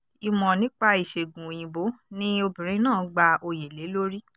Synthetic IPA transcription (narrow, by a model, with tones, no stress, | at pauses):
i˧mɔ̃˨nĩ˦k͡pa˦i˨ʃe˨ɡũ˨j̃ĩ˨bo˨˦nĩ˦o˧bĩ˨ɾ̃ĩ˨˦nãː˦˨ɡ͡ba˧o˧je˨le˨˦lo˦ɾi˦